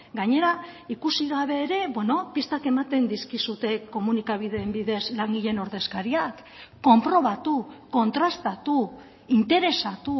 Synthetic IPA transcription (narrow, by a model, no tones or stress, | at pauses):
ɡaɲe̞ɾaikusiɣaβ̞e̞ːɾe̞bwe̞no̞pist̪ake̞mat̪e̞nd̪iskisut̪e̞ko̞munikaβ̞iðe̞ːmbiðe̞zlaŋɡiʎe̞no̞ɾðe̞skaɾiakː | o̞mpɾo̞β̞at̪uko̞nt̪ɾast̪at̪u | int̪e̞ɾe̞sat̪u